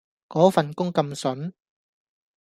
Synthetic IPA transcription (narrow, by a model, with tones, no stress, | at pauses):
kɔː˨˥fɐ˨nkʊ˥ŋkɐ˧msɵ˨˥n